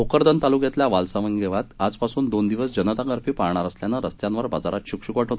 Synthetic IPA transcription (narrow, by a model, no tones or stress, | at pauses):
ɦokəɾd̪ənt̪alukjat̪ljaʋalsaʋənɡeʋat̪ad͡zpasuːnd̪ond̪iʋəsd͡ʑənət̪akəɾfiːpaɾɳ̃aɾasljanəɾəst̪jãnʋəɾba̰d͡zaɾat̪ɕukɕukʋaʈʰɦot̪